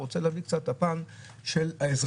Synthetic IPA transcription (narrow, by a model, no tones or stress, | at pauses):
ot͡seleːvikt͡sat̪hapan | ʃelhaezʁ